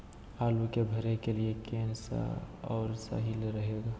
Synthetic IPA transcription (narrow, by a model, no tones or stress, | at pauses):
aːlukebʱəɾekeliekeːnsa̰ɔːɾsa̰ːɦilɾəɦeɡaː